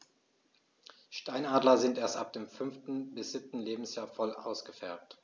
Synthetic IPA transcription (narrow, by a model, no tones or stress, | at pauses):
ʃtaɪnaːdlɐzɪntʔeːɐstʔa̰p̚d̥eːmfʏnftn̩bɪsz̥ɪp̚tn̩leːbm̩sjaːɐfɔlʔa̰ʊsɡ̥əfɛɐt